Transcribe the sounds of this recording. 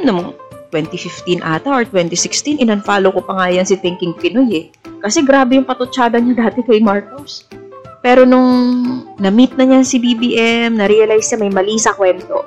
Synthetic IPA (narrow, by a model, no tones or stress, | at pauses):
nʊŋŋt̪wɛnt̪ifɪft̪inʔaːt̪ɐʔoɹt̪wɛnt̪isɪkst̪inʔɪnɐnfaːlokopɐŋaːjɐnsɪt̪ɪŋkɪŋpɪnojɛ | kɐsɛɡɾaːbɛjʊŋpɐt̪ʊt͡ʃaːd̪ɐnɲɐd̪aːt̪ɛkɐjmaɹkos | pɛːɾo̞nʊŋnɐmit̪̚nɐɲansibibiːʔɛmnɐɾijɐlajsɲamɐjmɐliːsɐkwɛnt̪o̞̰